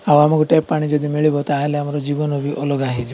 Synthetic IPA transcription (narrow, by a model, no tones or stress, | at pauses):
awamakuʈepːaɽ̃id͡ʒɔd̪imiɭibɔt̪aɦeleamaɾɔd͡ʒibɔnɔbʱiʔɔlɔɡaɦed͡ʒ